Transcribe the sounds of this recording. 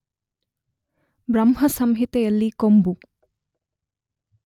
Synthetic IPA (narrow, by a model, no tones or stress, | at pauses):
bɾɐmɦɐsɐmɦit̪ɐjɐlːikombu